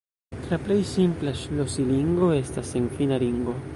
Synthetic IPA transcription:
laple̞jsimplaʃlo̞siliŋɡo̞e̞stase̞nfinaliŋɡo̞

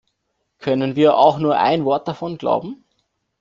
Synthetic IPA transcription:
kʰœnənviːɐʔa̰ʊxnuːɐʔa̰ɪnvɔɐt̚d̥afɔnɡ̥la̰ʊbm̩

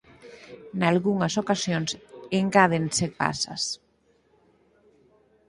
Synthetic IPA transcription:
nalɣuŋɐsokasjonseŋkaðenseɾpa̰sɐ̰s

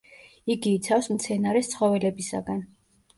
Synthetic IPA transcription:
iɡiːt̪sʰafsmt̪sʰɛnaɾɛst̪sʰχɔvɛlɛbisa̰ɡan

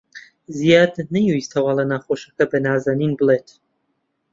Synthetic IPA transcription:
zijaːd̪nɛjist̪ʰɐwaːlɐnaːxoʃɐkɐbɛnaːzaninbɨleːt̪ʰ

